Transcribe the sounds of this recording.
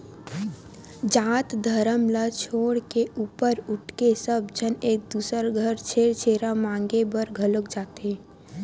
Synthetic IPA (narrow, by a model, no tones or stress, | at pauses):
d͡ʒaːt̪d̪ʱəɾəmlət͡ʃʰoːɽkeʔuːpəɾʊʈkesəb̚d͡ʒʱəneːk̚d̪uːsəɾɡʱəɾt͡ʃʰeːɽt͡ʃʰeːɾamãːŋɡebəɾɡʱəlʊk̚d͡ʒaːt̪eː